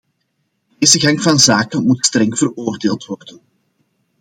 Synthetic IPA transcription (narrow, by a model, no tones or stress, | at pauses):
deːzəɣɑŋvɑnzaːkənmutstrɛŋv̥əroːrdeːlˠtʋɔrdən